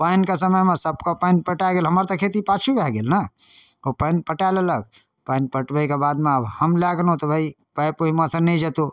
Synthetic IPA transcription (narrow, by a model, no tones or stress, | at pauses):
pankesəməjmẽsəbkopanpəʈaɡeːlɦəməɾt̪ɔkʰet̪̬ipat͡ʃʰubɛɦɡelnə | opənpəʈalələɡ̚ | panpəʈbəikebaːd̪mẽəbhəmlaɡnõt̪ɔbʱai | pəjpoɦimasənəĩd͡ʒet̪u